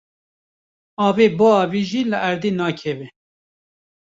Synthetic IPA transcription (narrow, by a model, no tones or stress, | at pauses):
ɑːveːboɑːviːʒiːlɨʔæɾd̪eːnɑːkʰɛvɛ